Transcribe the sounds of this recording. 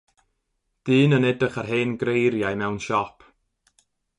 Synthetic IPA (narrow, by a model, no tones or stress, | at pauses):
d̥iːnənɛdəχarɦeːnɡɾejɾjajmɛwnʃɔpʰ